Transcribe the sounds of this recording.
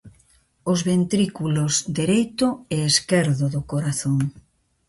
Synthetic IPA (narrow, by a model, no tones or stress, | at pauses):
ʊzβent̪ɾikulozd̪eɾejt̪ʊɛeskeɾðʊðʊkoɾaθoŋ